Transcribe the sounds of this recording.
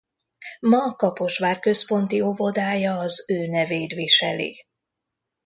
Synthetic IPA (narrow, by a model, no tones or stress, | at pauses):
mɒːkɒpo̞ʃʋaːrkø̞spo̞nt̪io̞vo̞d̪aːjɒːzøːnɛveːjt̪ʋiʃɛ̰lḭ